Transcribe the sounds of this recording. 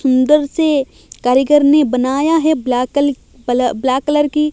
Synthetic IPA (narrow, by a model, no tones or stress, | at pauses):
ʊ̃nd̪əɾse | kaːɾjəɡəɾnebɐnaːjaɦɛ | blaːkːləɾki